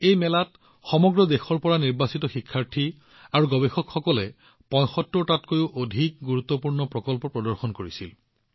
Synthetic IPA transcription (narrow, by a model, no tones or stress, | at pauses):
ejmɛlat | xɔmɔɡɹɔdexɔɹpɔɹaniɹbasitɔxikʰːaɹtʰi | aɹuɡɔbexɔkxɔkɔlɛ | pɔ̃jxɔtːɔɹtatkojuʔodʱik̚ɡuɹut̪ːɔpuɹnɔpɹɔkɔlpɔpɹɔdɔɹxɔnkoɹisḭl